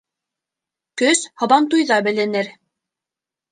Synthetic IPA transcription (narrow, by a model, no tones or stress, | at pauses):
kɵshɤ̆βɑnt̪ujðɑbɘ̆lɘ̆nɘɾ